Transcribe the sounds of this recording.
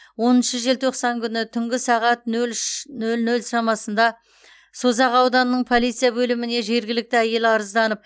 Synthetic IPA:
wo̞nənʃəʒe̞lt̪ʰoqsɑŋkʲʰʏnɪt̪ʰʏŋɡʲɪsɑʁɑt̪̚nɵlnɵlnɵlʃɑmɑsənd̪ɑ | so̞zɑqɑwd̪ɑnəːəɴpʰo̞lˠijt̪sɨjabɵlɪmɪne̞ʒe̞ɾɡʲɪlɪk̚t̪ɪæje̞lɪɑɾəzd̪ɑnəp̚

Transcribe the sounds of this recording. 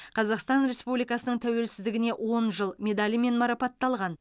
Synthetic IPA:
qʰɑzɑqst̪ɑnɾʲe̞spublijkɑsənəɴt̪ʰæwe̞lsɪzd̪ɪɡʲɪne̞wʔo̞nʒəlˠmʲe̞d̪ɑlʲime̞nmɑɾɑpɑt̪ːɑlˠʁɑn

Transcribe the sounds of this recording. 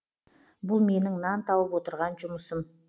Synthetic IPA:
bʊlˠme̞nɪŋnɑnt̪ʰɑwəpwo̞t̪əɾʁɑnʒʊməsəm

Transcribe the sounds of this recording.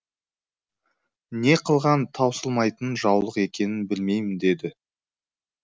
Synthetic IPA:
ne̞qʰəlˠʁɑnt̪ʰɑwsəlˠmɑjt̪ənʒɑwlˠəqe̞kʲe̞nɪnbɪlme̞jmɪnd̪e̞d̪ɪ

